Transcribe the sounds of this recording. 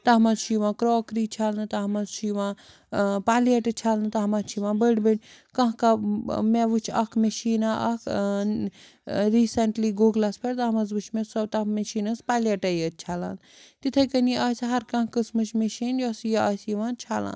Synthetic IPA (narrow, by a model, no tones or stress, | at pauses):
t̪ɐmɐzt͡ʃʰiʋãːkɾɔːkɾit͡ʃʰaːlnɨt̪aɦmɐzt͡ʃʰiʋã | paːliɐʈɨt͡ʃʰaːlnɨt̪aɦmɐt͡ʃʰiʋãːbəɽbenʲ | kɐ̃ɦkameʋut͡ʃʰɐkʰmeʃiːnaʔɐkʰ | ɾisɐɳʈliɡoːɡlaspʰɐɽt̪amɐzbɨt͡ʃʰmesɐt̪ɐmeʃinɐspaːliɐʈɐjət͡ʃʰaːla̰ːnt̪it̪ʰɐkɐniaːsɦɐɾkɐ̃ɦkəsmɨt͡ʃʰmeʃinjɔsjɐɐsjiʋãnt͡ʃʰaːla̰ːn